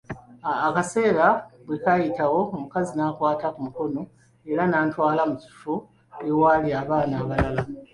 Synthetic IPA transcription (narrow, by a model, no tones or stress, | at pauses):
kase̞ːɾabwekajitawo̞ːmukazinaːkwaːtakumuko̞no̞ | e̞ɾanaːntwaːlamuci̥u̥fu | ewaliaβaːnaːβalala